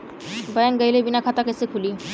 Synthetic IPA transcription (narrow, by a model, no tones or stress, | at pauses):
bəjanɡəjilebinakʰat̪akəjsekʰuliː